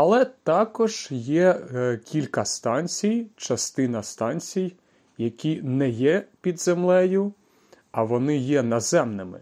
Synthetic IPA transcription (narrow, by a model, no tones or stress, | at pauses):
ɐlˠɛt̪ɑkɔʒjɛkʲʰilʲkɐst̪ɑnʲt͡sʲijt͡ʃɐst̪ɪnɐst̪ɑnʲt͡sʲij | jɐkʲinɛjɛpʲid̪zemlˠɛjʊ | ɐʋɔnɪjɛnɐzɛmnɪmɪ̰